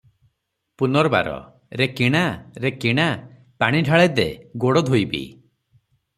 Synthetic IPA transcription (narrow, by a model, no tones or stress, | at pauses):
punɔɾba̰ɾɔ̰ | ɾekiɽ̃aɾekiɽ̃a | paɽ̃iɖʱaɭed̪eɡoɽɔd̪ʱojbḭ